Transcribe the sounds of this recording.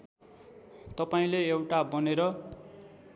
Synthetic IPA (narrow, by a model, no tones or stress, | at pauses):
t̪ʌpaĩleewʈabʌneɾʌ